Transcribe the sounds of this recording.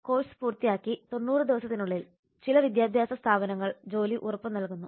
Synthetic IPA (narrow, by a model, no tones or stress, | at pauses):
ko̞ːsɨ̥puːrt̪ːijaːkːit̪o̞nːuːrɨd̪iʋɐsɐt̪ːinuɭːil | t͡ɕilɐʋid̪jaːd̪ʱjaːsɐst̪ʰaːbɐnɐŋːɐɭd͡ʑo̞ːliʔurɐpːɨmnɐlkunːu